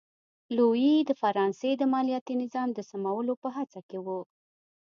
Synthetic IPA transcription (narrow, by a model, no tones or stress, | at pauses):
luid̪əfaɾɑnsed̪əmɑlijat̪inɪzɑmd̪əsamawəlopəɦat͡sakewu